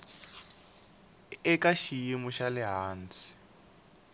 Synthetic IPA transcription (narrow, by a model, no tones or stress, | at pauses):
ɪkaʃijimʊʃalɪɦaːnt͡si̥